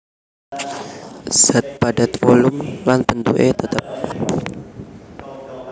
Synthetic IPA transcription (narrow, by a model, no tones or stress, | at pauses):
sət̪̚badat̪fɔlʊmlanpənt̪uʔet̪ət̪əp̚